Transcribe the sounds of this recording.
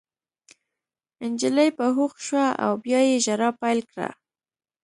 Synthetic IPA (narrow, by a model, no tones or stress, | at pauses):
ɪnd͡ʒɪləjpəɦuxʃwaa̰wbjɑjeʒaɾɑpajlkɽa̰